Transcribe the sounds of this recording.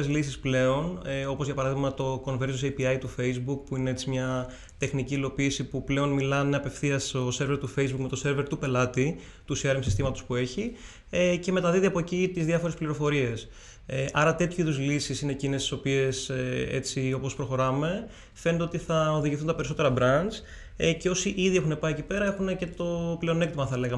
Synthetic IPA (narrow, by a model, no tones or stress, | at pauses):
ezlisisple̞o̞neo̞po̞zʝɐpɐɾɐðiɣmɐt̪o̞ko̞nve̞ɾosejpiɐjt̪ufe̞jzbuk̚puineet͡simɲɐ | t̪e̞xniciːlo̞piːsipuple̞o̞nmilɐneɐpe̞fθiɐst̪o̞se̞ɾveɾt̪ufe̞jzbukme̞t̪o̞se̞ɾveɾt̪upe̞lɐt̪i | t̪usiɐɾemsist̪imɐt̪o̞spue̞çi | ece̞me̞t̪ɐðiðiɐpo̞ecit̪izðjɐfo̞ɾespliɾo̞fo̞ɾie̞s | eʔɐɾɐt̪e̞t̪çiðuzlisisineːcinest̪i̥so̞pie̞seḛt͡sio̞po̞spɾo̞xo̞ɾɐme̞ | fe̞net̪e̞o̞t̪iθɐoðiʝiθunt̪ɐpe̞ɾiso̞t̪e̞ɾɐbɾɐnz | ece̞o̞siʔiðie̞xune̞pɐiecipe̞ɾɐexune̞ce̞t̪o̞ple̞o̞ne̞kt̪imɐθɐle̞ɣɐ